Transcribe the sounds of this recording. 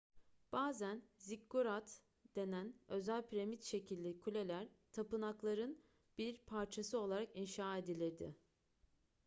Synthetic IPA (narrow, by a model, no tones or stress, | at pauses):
b̥aːzænzikːuɾat̪ | d̪̥e̞nænø̞zælʲpʰiɾemit̪ʃe̞cʰilʲd̪ɛkʰulʲe̞lʲæɾt̪ʰapɯnaklˠaɾɯn | b̥iɾpʰaɾt͡ʃʰasɯo̞lˠaɾakinʃaːe̞d̪ilʲiɾd̪ɪ̰